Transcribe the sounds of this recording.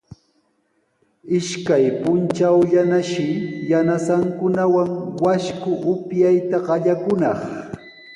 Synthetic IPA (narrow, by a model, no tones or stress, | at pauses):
ɪʃkajpʊnt͡ʃawʎanaʃɪjanasaŋkʊnawaŋwaʃkʊʔʊpjajt̪aɢɑʎakʊnɑχ